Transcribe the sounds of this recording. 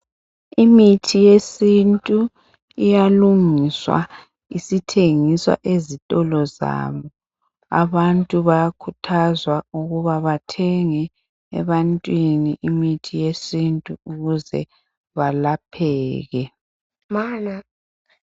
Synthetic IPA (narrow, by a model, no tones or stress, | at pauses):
imitʰijesintʼu | ijaluŋiswa̰ | isitʰeŋiswa̰ʔezitʼɔlɔza̰βɔ | a̰βantʼuβajakʰutʰazwauɣuβaβatʰɛŋɛ | ɛ̰βantʼwiniʔimitʰijesintʼuuɣuzɛ̰ | βalapʰɛːɣɛ | maːna